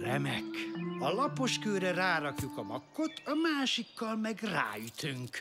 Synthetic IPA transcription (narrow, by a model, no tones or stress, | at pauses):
rɛmɛkɒlɒpo̞ʃkøːɾɛraːɾɒkjukɒmɒ̰kːo̞t̪ʰɒmaːʃikːɒlmɛɡra̰ːjyt̪ʰyŋk